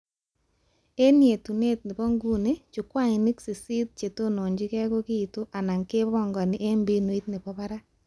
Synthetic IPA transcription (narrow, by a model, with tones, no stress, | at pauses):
e˦nje˨tu˨ne˦t̚nɪ˨pɔ˦ŋɡu˦ne˦t͡ʃʊ˨kwa˦ŋɪ˨ni˦ksi˨si˦t̚t͡ʃe˨to˦no˨ɲd͡ʒɪ˦kɛ˦ko˦ki˦i˨to˦ʔa˨na˨ŋke˦bɔ˦˨ŋɡɔ˨nɪ˨ʔe˦mbi˦nwi˦t̚nɪ˨pɔ˦pa˦ɾa˦